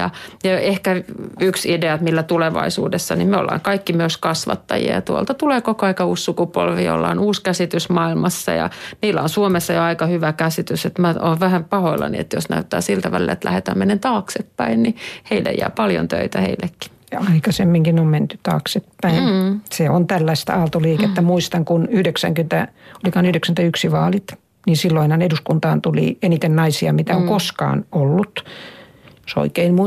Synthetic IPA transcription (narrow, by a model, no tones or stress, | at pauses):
jɑ̰jɑehkæyksideɑt̪milːæt̪uleʋɑ̰isuːdesːɑnimmeo̰lːɑ̰ːŋkɑikːimyøskɑsʋɑ̰t̪ːɑjḭɑ̰jt̪uolt̪ɑt̪uleːkokoɑikɑuːssukupolʋio̰lːɑ̰ːnuːskæsit̪ysmɑilmɑsːɑ̰jɑ̰niːlːæonsuomesːɑjoɑikɑhyʋækæsit̪yset̪mæʔoːʋʋæhæmpɑhoilːɑ̰nḭḛt̪josnæ̰yt̪ːæːsilt̪æʋæ̰lḭlæet̪læ̰het̪æːmenent̪ɑːksepːæinniheilːḛjæ̰ːpɑljo̰nt̪ø̰it̪æhḛilːˑekːi̥ | jɑɑikɑsemːiŋkinomment̪y̥t̪ɑ̰ːksepːæinseont̪ælːæist̪ɑːlt̪oliːket̪ːæmuist̪ɑŋkunyhdeksæ̰ŋkynt̪æolikɑːnyhydeksænt̪æyksiʋɑːlit̪ | nisilːoinhɑneduskunt̪ɑːnt̪ulḭenit̪ennɑisiɑmit̪æoŋkoskɑ̰ːnolːut̪ | joso̰ikeinmu